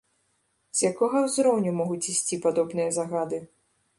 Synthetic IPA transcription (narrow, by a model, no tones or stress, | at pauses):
z̥ʲjakɔɣɐwzɾɔwnʲumɔɣut͡sʲisʲt͡sʲipad̪ɔbnɨjɐzaɣad̪ɨ